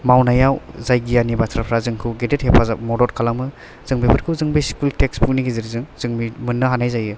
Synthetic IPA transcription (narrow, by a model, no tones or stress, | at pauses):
mawnajawzajɡijanibatʰɾapʰɾazɯŋkʰɯɡedet̚hepʰazamɔdɔt̚kʰalamɯ | z̥ɯŋbipʰɯt̚kʰɯwzɯŋbiskultekspuniɡiziɾzɯŋzɯŋmimɯnːɯɦanajzajɯ